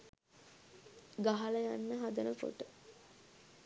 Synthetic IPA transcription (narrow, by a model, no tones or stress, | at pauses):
ɡaɦalɐjanːəɦad̪ənəpo̰ʈə